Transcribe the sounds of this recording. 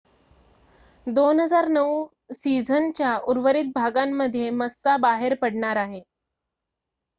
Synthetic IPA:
d̪onɦəd͡zaɾnəu | sid͡zʱənt͡ɕjauɾʋəɾit̪̚bʱaɡamːəd̪ʱːjeməsːabaɦeɾpəɽɳaɾaɦe

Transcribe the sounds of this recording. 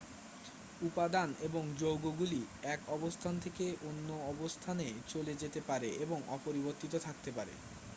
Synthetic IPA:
upad̪aneboŋd͡ʑowɡoɡuliɛkɔbost̪ʰant̪ʰekeʔonːoɔbost̪ʰanet͡ɕoled͡ʑet̪epaɾeʔeboŋɔ̰poɾiboɾt̪it̪ot̪ʰak̚t̪epaɾḛ

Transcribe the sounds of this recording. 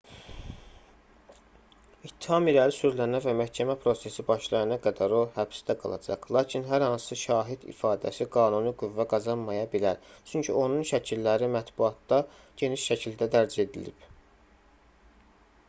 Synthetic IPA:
it̪ʰːi̥hɑmilæɾisyɾlænævæmæhcʰæmæpʰɾo̞se̞sibɑʃlˠɑjɑnɑɡæd̪æɾo̞hæbsd̪æɡɑ̰lˠɑ̰d͡ʒɑ̰qlˠɑːcʰinɦæɾhɑnsɯʃɑːɦid̪ḭfɑːd̪æ̰siɡɑːnunuɡuvːæɡɑzɑnmɑjɑbilæɾt͡ʃʰyɲcʰio̞nunʃæcʰilːæɾimæt̪buɑt̪̚d̪ɑ | ɟ̥e̞niʃʃæcʰild̪æd̪æɾd͡ʒie̞d̪ḭlḭb̥

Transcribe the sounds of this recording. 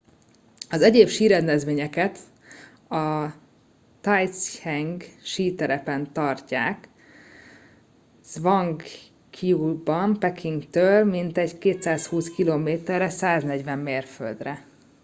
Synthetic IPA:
ɒzɛɟeːpʃiːɾɛnd̪ɛzʋeːɲɛkɛt̪ | ɒ | t̪aj̪shɛŋɡʃiːt̪ɛɾɛpɛnt̪ɒrcaːk | z̥vɒŋɡ | kʰiubɒmpɛkʰiŋɡt̪øːlmint̪ɛɟkeːt̪saːshuːskiloːmeːt̪ɛrːɛsaːznɛɟʋɛmːeːrfø̰ld̪rɛ

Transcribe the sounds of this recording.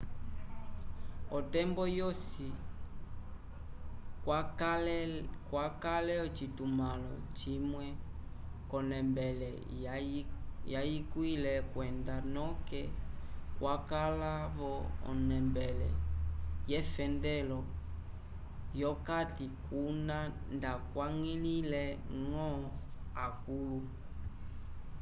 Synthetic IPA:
ɔtɛmbɔjɔsi | kwakalɛɔt͡ʃitumalɔ̰t͡ʃimwɛ | kɔnɛmbɛlɛ̰ | jajikwilɛkwɛndanɔkɛkwakalaβɔɔ̰nɛmbɛlɛ̰jɛfɛndɛlɔ | jɔkatikunãndakwaŋililɛŋɔakulu

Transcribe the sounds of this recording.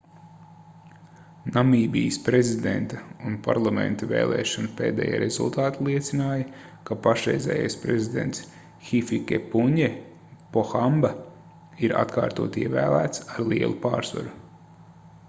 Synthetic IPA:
namiːbijspɾezid̪ḛnt̪aunpaɾlˠamḛ̃nt̪avḛːlˠʔɛ̰ːʃɔnupeːd̪ɛ̰ːja̰ːɾezṵlˠt̪aːt̪alˠiɛt̪sinaːjɐ | kapaʃɾɛjzɛ̰ːjajspɾezid̪ḛnt̪s | xifikʲepuɲe | pɔxamba | iɾa̰t̪kaːɾt̪ṵɔt̪iɛvæːlˠæːt̪saɾlˠiɛ̰lˠupa̰ːɾsʋa̰ɾu

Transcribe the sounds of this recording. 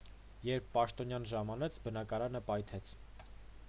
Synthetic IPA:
jɛɾpʰːɑʃt̪ɔnjɑnʒɑmɑnɛt͡sʰbənɑkɑɾɑnəpɑjt̪ʰɛt͡sʰ

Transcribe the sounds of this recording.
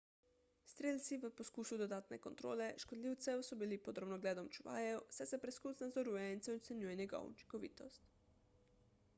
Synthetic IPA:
st̪ɾeːlt̪siʋəposkuːsud̪od̪aːt̪nɛkont̪ɾoːlɛʃkod̪lʲiːwt̪sɛwsɔbilipod̪ɾobnɔɡlɛːd̪ɔmt͡ʃuʋa̰ːjɛwsɛjsɛpɾɛskusnazɔɾujɛnt̪sɛɔt̪sɛnuːjɛnjɛɡa̰ṵt͡ʃi̥ŋkɔʋḭːt̪ɔst̪

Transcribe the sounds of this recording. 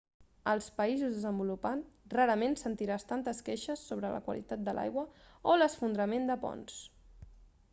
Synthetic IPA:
əlˠspəizuzðəzəmbulupanraɾəmensənt̪iɾast̪ant̪əskeʃəsːoβɾələ̰kwə̰lḭt̪at̪̚d̪əlʔa̰jɣwəoləsfund̪ɾəmend̪əpɔ̰ns

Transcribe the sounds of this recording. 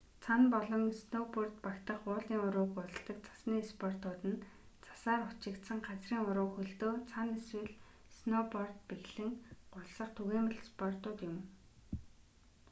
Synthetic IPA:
t͡sʰanpɔɮɞ̆ŋsnopɔrt̪pakt̪ə̆χʊːɮiːŋʊɾʊːkʊ̆ɮt̪ə̆k̚t͡sʰḁsniːspɔrt̪ʊːt̪ɘ̆n | t͡sʰḁsaːrʊt͡ɕɪ̆kt̪sə̆ŋɢat͡sriːŋʊɾʊːxɵɮt̪oːt͡sʰaneswɘ̆ɮ | snopɔrt̪̚peɣɮɘ̆ŋɢ̥ʊɮsə̆χt̪ʰuɣeːmə̆ɮspɔrt̪ʊːt̪jʊm

